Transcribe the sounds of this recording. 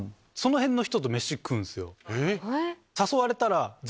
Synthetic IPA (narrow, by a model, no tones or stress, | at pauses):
so̞no̞hẽ̞nːoçi̥t̪o̞t̪̬o̞meɕikːɯ̟̃ñsɨjo̞̰ | saso̞βaɾe̞t̪aɾad͡z